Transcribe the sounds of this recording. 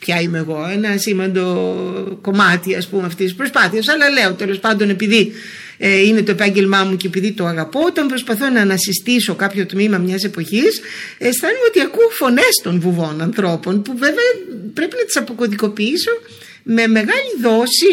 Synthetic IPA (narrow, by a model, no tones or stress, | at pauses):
pçɐime̞ːɣo̞enɐsimvɐnd̪o̞ko̞mɐt̪iɐspumeɐft̪isispɾo̞spɐθiɐs̬ɐlɐle̞o̞t̪e̞lo̞spɐnd̪o̞ne̞piði | ine̞t̪o̞epɐɲɟe̞lmɐmuceːpiðit̪oɐɣɐpo̞ot̪ɐmpɾo̞spɐθo̞nɐnɐsist̪iso̞kɐpço̞t̪mimɐmɲɐse̞po̞çis | est̪ɐniot̪iɐkufo̞ne̞st̪o̞nvuvo̞nɐnθɾo̞po̞npuve̞veɐpɾe̞pinɐt̪i̥sɐpo̞ko̞ðiko̞piiso̞ | me̞me̞ɣɐliðo̞si